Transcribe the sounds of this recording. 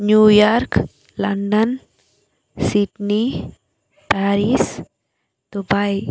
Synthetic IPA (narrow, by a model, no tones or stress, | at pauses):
njujaɾk | lɐɳɖən | siʈni | paːɾis | d̪̥ubaj